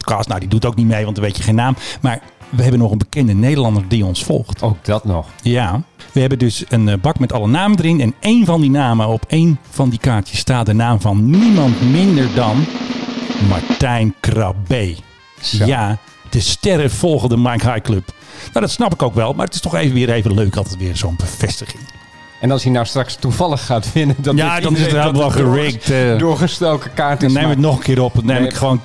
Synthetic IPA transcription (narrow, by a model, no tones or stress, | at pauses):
tkɑstnawdidutowknimejʋɑntəʋejtjəχejnːaːmmaːɹ | ʋəɦɛbənɔxənbəkɛndənejdəlˠɑndərdiɔnsfɔ̰lˠxtowk̚dɔtnɔxjaʋəhɛbəndøsənbɑkmɛtɑlˠənaːmədəɾɪnɛneːnvɔndinaːməɔpejnv̥ɑndikaːtjəstaːt̚dənaːmvɑnːimɑntmɪndəɹdɔn | ma̰ɹtɛjnkrɑbej | ja | d̥əstɛɾəfɔlˠɣəndəmajkhajkløpnowdɔtsnɑpɪkoʊwkʋɛlˠma̰rətɪstɔxeːvəʋɪːɾeːvənløːkɑlˠtɛtʋɪːrsoːnbəfɛstəχɪŋ | ɛnɑlsjənastrakstuvɑlˠəxːaːtʋɪnədɔjadɔnɪsətabəʋɔlˠxərɪktdʊχəstolˠkəkaːtnemməətnɔχənkɪːɾɔpnːemɪkχəʋoːn